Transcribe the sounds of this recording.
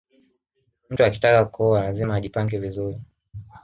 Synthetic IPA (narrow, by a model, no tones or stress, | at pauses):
m̩tuaki̥takakɔalazimaːʄipaŋɡɛvizuɾi